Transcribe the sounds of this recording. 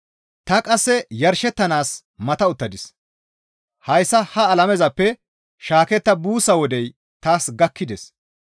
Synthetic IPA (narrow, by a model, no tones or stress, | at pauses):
t̪ɐkʼɐsːɛjɐɾʃɛt̪ːɐnaːs | mɐt̪ɐʊt̪ːɐd̪ɪs | hɐjsːɐhɐːlɐmɛzɐpːɛ | ʃaːkɛt̪ːɐbuːsɐwɔd̪ɛj | t̪aːsɡɐkːɪd̪ɛs